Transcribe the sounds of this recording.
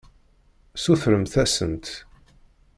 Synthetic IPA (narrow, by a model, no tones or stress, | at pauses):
suθɾəmθæsənt̪